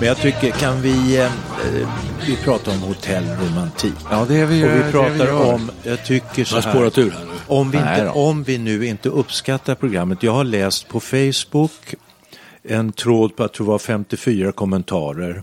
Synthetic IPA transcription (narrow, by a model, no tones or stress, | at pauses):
mɛnjat̪ʰʏkːəkʰanvɪ | vɪpʰɾɑːt̪aɾɔmhʊt̪ʰɛlːɾʊmant̪ʰḭːkːd̪ɛɔvɪpʰɾɑːt̪aɾɔmjɑɡt̪ʰʏkːəʂɔsɦæːoːɾat̪ʰʉːɾhænʉɔmvɪɪnəɔmvɪnʉ̟ːɪnt̪əɵpːskat̪ːaɾpʰɾʊɡɾamːət̪jɑːɡhaɭɛːst̪pʰɔfɛjsbʊk | ɛnt̪ʰɾoːd̪̚pʰɔat̪d̪ʊvafɛmt̪ɪfyːɾakʰɔmːənt̪ʰɑːɾəɾ